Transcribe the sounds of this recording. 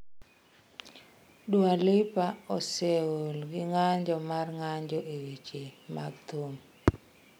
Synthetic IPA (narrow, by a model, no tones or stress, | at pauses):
dwalɪpaɔseulɡɪŋaɲd͡ʒɔmarŋaɲd͡ʒɔʔewit͡ʃema̰ɡ̚t̪om